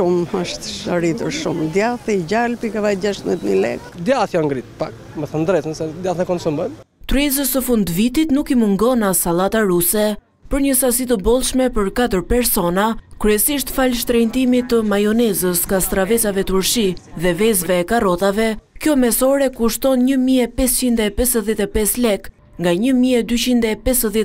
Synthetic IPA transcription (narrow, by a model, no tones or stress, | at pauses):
uməʃt̪ʃaɾit̪uɾʃṵmd̪jaθiɟalpikavajd͡ʒaʃt̪mɛt̪mḭlɛ̰kd̪jaθjɔŋɡɾit̪̚pak̚ | mɛθənd̪ɾɛt̪nsɛd̪jaθnɛkɔnsumbən | t̪ɾɛzəsəfund̪vit̪it̪nukimuŋɡɔnasalˠat̪aɾusɛ | pəɾɲəsasit̪əbɔlˠʃmɛpəɾkat̪̬əɾpɛɾsɔnakɾyɛsiʃt̪falʃt̪ɾɛjnt̪imit̪əmajɔnɛzəsŋɡast̪ɾavɛt͡savɛt̪uɾʃiðɛvɛzvɛːkarɔt̪avɛkjɔmɛsɔɾɛkuʃt̪ɔnɲəmiɛpɛst͡ɕind̪ɛpɛsəðjɛt̪ɛpɛslɛk | ŋɡaɲəmiɛd̪yt͡ɕind̪ɛpɛsəðjɛ